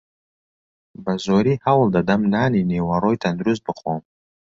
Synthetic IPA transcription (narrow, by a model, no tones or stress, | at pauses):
bazɔɾihawld̪ad̪amnaninewaɾɔjt̪ʰand̪ɾuzbɨχɔm